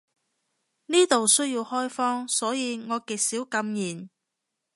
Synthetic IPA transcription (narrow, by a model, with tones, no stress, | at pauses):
niː˥t̪o˨wsɵ˥ɥjiː˧whɔː˥jfɔː˥ŋsɔː˨˥jiː˨˧ŋɔː˨˧kiː˨k̚siː˨˥wkɐ˧mjiː˨˩n